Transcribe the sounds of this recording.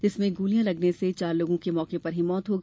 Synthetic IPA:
d͡ʒɪsmẽɡuːlijãlɐɡneset͡ʃaːɾloːɡõkemɔːkepɐɾɦimɔːt̪ɦoːɡ

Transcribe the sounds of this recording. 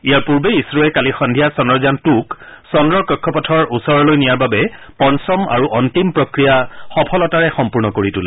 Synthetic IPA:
ijaɹpuɹbeisɹɔɛkalixɔndʱijasɔnɹɔzantuksɔnɹɔɹkɔkʰːɔpɔtʰɔɹʔusɔɹɔlojnijaɹbabɛ | pɔnsɔma̰ɹuʔɔntimpɹɔkɹijaxɔpʰɔlɔtaɹɛxɔmpuɹnɔkoɹitulɛ

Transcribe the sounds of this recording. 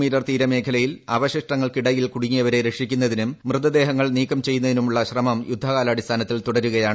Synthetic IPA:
miːɾɐrt̪iːɾɐme̞ːkʰɐlɐjilɐʋɐɕiʂʈɐŋːɐɭkiɽɐjilkuɽiŋːijɐʋɐɾe̞ɾe̞kʂikʲːunːɐðinummrɨt̪ːɐd̪e̞ːɦɐŋːɐɭniːkːɐmt͡ɕe̞jːunːɐðinumuɭːɐɕrɐmɐmjud̪ʱːɐkaːlɐːɽist̪ʰaːnɐt̪ːilt̪uɽɐɾuɣɐjaːɳ

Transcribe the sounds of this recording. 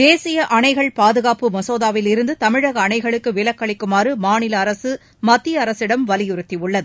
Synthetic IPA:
d̪eːsɪjɐʔɐɳɐɪɣɐɭpaːðɯɣaːpɯmɐsoːðaːʋɪlɪɾɯnd̪ɯt̪ɐmɪɻɐɣɐːɳɐɪɣɐɭɯkːɯʋɪlɐkːɐɭɪkːɯmaːɾɯmaːnɪlɐːɾɐsɯ | mɐt̪ːijɐɐɾɐsɪɽɐmʋɐlɪjʊɾɯt̪ːiʊɭːɐðɯ

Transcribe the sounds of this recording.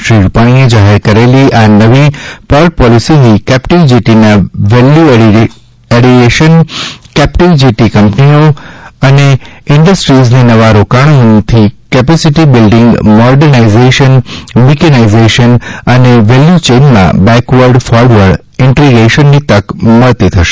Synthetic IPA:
ʃɾiɾupaɽ̃ied͡ʒaɦeɾkəɾeliʔanəʋipɔɾʈ̚pɔlisiɦikɛpʈiʋd͡ʒiʈinaʋelju | eɽieʃənkɛpʈiʋd͡ʒiʈikəmpnioəneɪɳɖəsʈɾizninəʋaɾokaɽ̃onĩt̪ʰikɛpɛsiʈibɪlɖɪ̃ŋɡmɔɾɖəɾnaizeʃənmikɛnaizeʃənəneʋeljut͡ʃenmã̰bɛ̃kʋəɾɖfɔɾɖʋəɾɖ | ɪɳʈɾiɡeʃənːit̪əkməɭt̪it̪ʰəʃe̥

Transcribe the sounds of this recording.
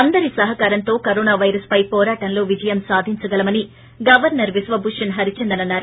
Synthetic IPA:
ɐnd̪ɐɾisɐɦɐkaːɾɐnt̪o̞ːkɐɾoːnaːʋɐjɾɐspɐjpɔːɾaːʈɐnlo̞ːʋid͡ʒɐjɐmsaːd̪ʱiɲt͡ʃɐɡɐlɐmɐni | ɡɐʋɐɾnɐɾʋisʋɐbuʂɐnɦɐɾit͡ʃɛnd̪ɐnɐnːaːɾu

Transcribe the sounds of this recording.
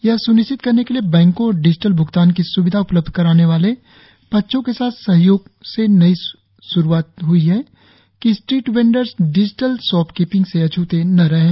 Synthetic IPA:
jɐɦsʊnɪʃɪt̪̚kɐɾnekeliebɛ̃ːŋkõɔːɾɖɪd͡ʒɪʈəlbʱʊɡt̪aːnkisʊʋɪd̪ʱaʊpləb̚d̪ʱkɐɾaːneʋaːle | pɐtːʃʰõkesaːt̪ʰsɐɦjoːɡ̚senɐi | sʊɾuaːt̪ɦʊiɦɛ | kisʈɾiːʈʋẽːɳɖəɾzɖɪd͡ʒɪʈəlsɔːpkiːpɪ̃ŋɡseɐt͡ʃʰuːt̪enɐɾɐɦẽː

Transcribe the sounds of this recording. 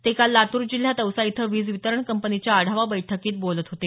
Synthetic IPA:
t̪ekalːat̪uːɾd͡ʑil̤jat̪əwsait̪ʰəʋiːd͡zʋit̪əɾəɳkəmpənit͡ɕjaːɽ̤ʱaʋabəjʈʰəkiːt̪̚bolət̪ɦot̪e

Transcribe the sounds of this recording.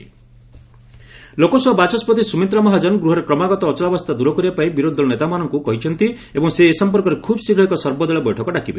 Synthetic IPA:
lokɔswabat͡ʃɔspɔt̪isumint̪ɾɔmɔɦad͡ʒɔnɡɾuɦɔɾekɾɔmaɡɔt̪ɔːt͡ʃɔɭabɔst̪ʰad̪uɾɔkɔɾibapaĩbiɾod̪ʱːɔɔnet̪amanɔŋkukɔɦit͡ʃʰɔnt̪i | ebɔŋseːsɔmpɔɾkɔɾekʰubsiɾɔɦikɔsɔɾbɔd̪ɔɭɔbɔjʈʰɔkɔɖakibe

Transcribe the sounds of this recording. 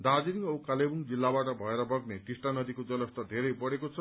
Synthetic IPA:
d̪ad͡ziɾiŋʌukalebuŋd͡zilːabaʈʌbʱʌeɾʌbʌɡneʈisʈanʌd̪ʱikod͡zʌlʌst̪ʌd̪ʱeɾejpʌɽekot͡sʰʌ

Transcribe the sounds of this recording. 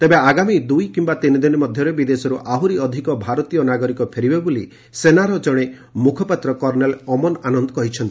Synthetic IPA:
t̪ebeaɡamid̪ujkimbat̪inid̪inimɔd̪ʱjɔɾebid̪esɔɾuʔaɦuɾiɔd̪ʱikɔbʱaɾɔt̪ijɔnaɡɔɾikɔpʰeɾibebolḭ | senaɾɔd͡ʒɔɽ̃e | mukʰɔpat̪ɾɔkɔɾnelɔmɔnanɔnd̪ɔ̥kɔɦit͡ʃʰɔnt̪i̥

